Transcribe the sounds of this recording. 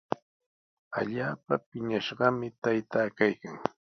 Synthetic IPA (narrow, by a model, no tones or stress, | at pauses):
a̰ʎaːpapɪɲaʃɢɑmɪt̪ajt̪aːkajkaŋ